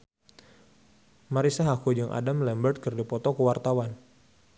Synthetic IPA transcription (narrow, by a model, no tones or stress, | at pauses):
maɾisaɦakud͡ʒəŋʔa̰damlɛmbərt̪̚kərdipɔt̪ɔkəwart̪awan